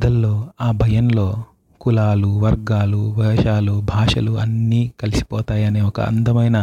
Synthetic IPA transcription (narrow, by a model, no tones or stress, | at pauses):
d̪ɐlːo̞ːaːbʱɐjɐnlo̞ː | kulaːluʋɐɾɡaːlubʱɐʃaːlubʱaːʂɐ̰luɐnːiːkɐlisi̥pɔːt̪aːjɐneːɔkɐ̰ɐ̰nd̪ɐmɐjnɐ